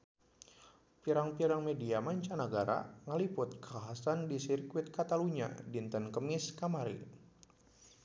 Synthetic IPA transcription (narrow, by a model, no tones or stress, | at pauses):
piɾaŋpiɾaŋmediamaɲt͡ʃanəɡaɾa̰ŋəlipʊt̪̚kəaɦasandisirkwɪt̪̚kat̪aluɲa̰dint̪ənkəmɪskamaɾḭ